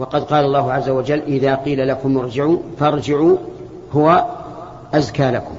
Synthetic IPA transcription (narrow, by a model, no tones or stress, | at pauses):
wɑqɑd̪qɑːlɑlˤːɑːɦʊʕazːawad͡ʒalːʔɪðaːqiːlalakʊmʊɾˤd͡ʒɪʕuːfɑɾˤd͡ʒɪʕuː | hʊwa | ʔazkaːlakʊm